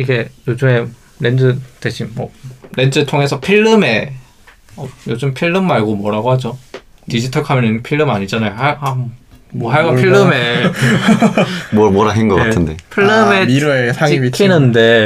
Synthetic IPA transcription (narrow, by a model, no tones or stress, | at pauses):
iɡe̞jod͡ʑɯme̞ | ɾend͡ʑɯdeɕʰinmʌɾe̞nd͡ʑɯtʰoŋe̞sʰʌpʰiɭːɯme̞ | ʌjod͡ʑɯmpʰiɭːɯmːaɭɡomwʌɾaɡoɦad͡ʑo | tid͡ʑitʰʌɭkʰamjʌninpʰiɭːɯmaɲid͡ʑanajohahamʌɦaɭɡapʰiɭːɯme | mmwʌɾaɦenɡʌk͈attʰɯnde̞pʰiɭːɯmeiɾɯesʰaŋiikʰːinɯnde̞